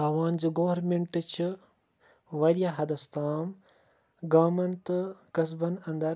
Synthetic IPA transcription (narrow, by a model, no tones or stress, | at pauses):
aːʋaːnd͡ʒiɡoːɐɾmeɳʈɨt͡ʃʰi | ʋɐɾijaːɦɐd̪ɐst̪aːm | ɡaːmɐnt̪ɨkɐs̬bɐnɐ̃nd̪ɐɾ